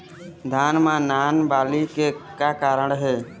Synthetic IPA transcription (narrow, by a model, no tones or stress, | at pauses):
d̪ʱaːnmãːnaːnbaːliːkeːkaːkaːɾəɳɦeː